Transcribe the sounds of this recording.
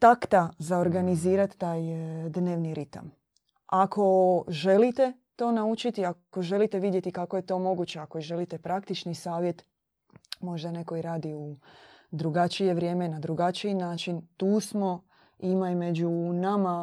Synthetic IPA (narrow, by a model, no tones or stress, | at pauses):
t̪akt̪azaoɾɡaniziːɾat̪ːaːjd̪ne̞ːʋniɾit̪a̰m | akʰo̞ʒe̞lit̪e̞ | t̪o̞ːnaut͡ʃit̪iako̞ʒe̞lit̪e̞ʋid̪je̞t̪ikako̞je̞t̪o̞ːmo̞ɡut͡ɕe̞akoiʒe̞lit̪e̞pɾakt̪it͡ʃnisaːʋje̞t̪ | mo̞ʒd̪ane̞ko̞iɾaːd̪iud̪ɾuɡat͡ʃije̞ʋɾʲje̞ːmenad̪ɾuɡat͡ʃiinaːt͡ʃint̪uːsmo̞ | imaime̞d͡ʑunama